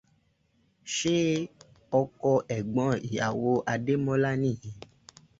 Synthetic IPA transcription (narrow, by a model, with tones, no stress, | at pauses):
ʃe˦ | ɔ˧kɔ˧ʔɛ˨ɡ͡bɔ̃˨˧˦i˨ja˨wo˧ʔa˧de˦mɔ̃˦la˦nĩ˦˨jĩ˨˦